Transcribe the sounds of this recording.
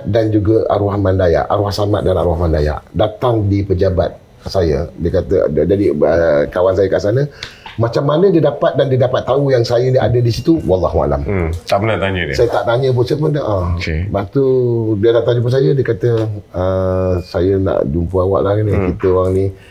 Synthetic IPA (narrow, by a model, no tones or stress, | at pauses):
dand͡ʒuɡaa̰ɾuahmandaja̰ʔa̰ɾuahsamat̪̚dana̰ɾuahmandaja̰ʔdat̪aŋdipəd͡ʒaba̰t̪̚ | sajə̰diəkat̪əd͡ʒadiək̪awansajəkaʔsanə̃mat͡ʃamːanə̃diədapat̪̚dandiədapat̪ːaujaŋsajənia̰dədisit̪uwɑlːɑɦua̰la̰mt̪aʔbənat̪aɲəd̰sajət̪aʔt̪aɲə̃p̬unsapənʔaokebat̪udiədaʔt̪aŋd͡ʒupəs̬ajədiəkat̪əəsajəna̰ʔd͡ʒumpəawa̰ʔlahɡinikit̪əoaŋni